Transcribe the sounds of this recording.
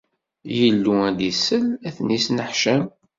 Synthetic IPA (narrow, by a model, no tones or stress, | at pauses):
jəlːuæd̪isəlæθnisnəħʃəm